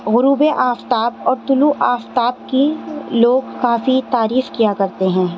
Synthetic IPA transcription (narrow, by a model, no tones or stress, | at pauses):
ɣʊɾuːbeʔaːft̪aːbɔːɾt̪ʊluʔaːft̪aːb̚kiloːɡkaːfit̪aːɾiːfkijakɐɾt̪eɦɛ̃ː